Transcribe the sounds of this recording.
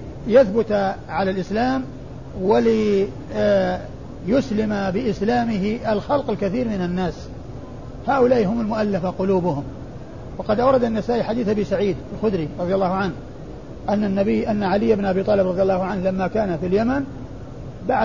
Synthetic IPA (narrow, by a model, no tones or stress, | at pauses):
jaθbʊt̪ʕalalʔɪslaːm | walɪ | jʊslɪmabɪʔɪslaːmɪɦɪʔalxɑlqɪlkaθiːɾmɪnanːaːs | haːʔʊlaːʔiɦʊmalmʊʔalːafaqʊluːbʊhʊm | wɑqɑd̪ʔawɾˤɑd̪anːasaːʔiħad̪iːθʔabiːsaʕiːd̪alxʊd̪ɾiɾˤɑðˤjalːɑːhʊʕanh | ʔanːanːabɪjːʔanːaʕalɪjːabnʔabiːt̪ˤɑːlɪbɾɑðˤjɑlːɑːhʊʕanhlamːakaːnafiljaman | baʕ